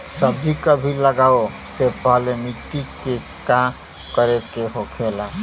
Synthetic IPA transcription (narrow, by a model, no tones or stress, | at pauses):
səbd͡ʒikəbʱiləɡao | sepəɦlemiʈike | ka | kəɾekeɦokʰela